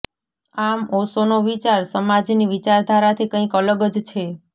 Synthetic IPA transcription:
amosonoʋit͡ʃaɾsəmad͡ʒniʋit͡ʃaɾd̪ʱaɾat̪ʰikə̃ĩkələɡəd͡ʒt͡ʃʰe

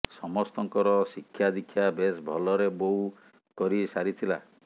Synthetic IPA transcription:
sɔmɔst̪ɔŋkɔɾɔsikʰːjad̪ikʰːjabesbʱɔlɔɾebou | kɔɾisaɾit̪ʰila̰

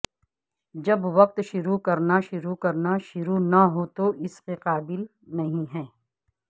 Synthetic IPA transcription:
d͡ʒɐbʋɐq̚t̪ʃʊɾukɐɾnaʃʊɾukɐɾnaʃʊɾunaɦoːt̪oʔɪskeqaːbɪl | nɐɦĩɦɛː

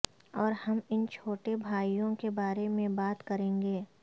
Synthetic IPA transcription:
ɔːɾhɐmɪnt͡ʃʰoːʈebʱaːijõkebaːɾemẽbaːt̪kɐɾẽːŋɡeː

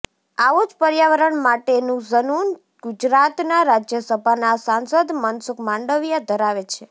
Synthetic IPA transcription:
aʋod͡ʒpəɾjaʋəɾəɳmaʈenũzənun | ɡ̥ud͡ʒɾat̪naɾad͡ʒjəsəbʱanasansəd̪mənsʊkmãɳɖəʋjad̪ʱəɾaʋet͡ʃʰe

